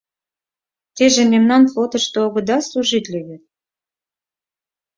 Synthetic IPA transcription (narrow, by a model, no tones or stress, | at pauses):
t̪eʒĕmʲemnɑnplˠot̪ɤ̆ʃt̪ɤoɣɤ̆d̪ɑsluʒit̪lʲeβʲet̪̚